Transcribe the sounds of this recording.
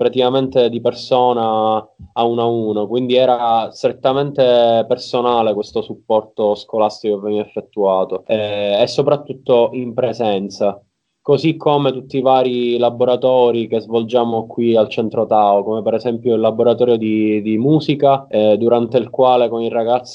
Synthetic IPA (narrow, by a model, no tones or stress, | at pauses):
pɾat̪ikament̪ed̪ipersoːnaː | unauːnokwind̪iɛːɾast̪ɾet̪ːament̪epersonaːlekwest̪osupːɔrt̪oskolast̪ikokevːɛnɛɛfːet̪ːuaːt̪oɛɛsːopɾat̪ːut̪ːoʔimpɾezɛnt̪sa | kozikʰːomet̪ut̪ːivaːɾilaboɾat̪ɔːɾikezvold͡ʒaːmokwialt͡ʃɛnt̪ɾot̪aokomepɛɾɛzɛmpjoilːaboɾat̪ɔːɾjod̪id̪imuːzikad̪uɾant̪eilkwaːlekoniraɡat̪sː